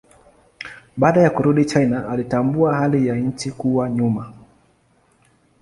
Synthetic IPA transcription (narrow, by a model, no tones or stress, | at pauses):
ɓaːɗajakuɾuɗit͡ʃajnaʔalitambuahalijaɲ̩t͡ʃikuwaɲuma